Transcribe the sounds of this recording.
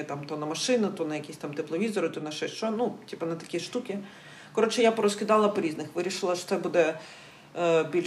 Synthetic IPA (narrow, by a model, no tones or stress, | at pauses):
t̪amt̪ɔnɐmɐʃɪnɪt̪ɔnɐjɐkʲisʲt̪amt̪ɪplˠɔʋʲizɔɾʊt̪ɔnɐʃɛʃt͡ʃɔnutʲipɐnɐt̪ɐ̥kʲiʂt̪ukʲɪ | kɔɾɔt͡ʃɪjapɔɾɔskʲɪd̪ɑlˠɐpɔɾʲiznɪxʋɪɾʲiʃɨlˠɐʃɔ̥t̪ɛbud̪ɛ | bʲilʲ